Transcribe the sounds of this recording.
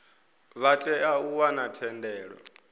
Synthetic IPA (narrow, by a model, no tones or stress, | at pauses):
βat͡ɬʼɛauwanatʰɛndɛːɺɔ̰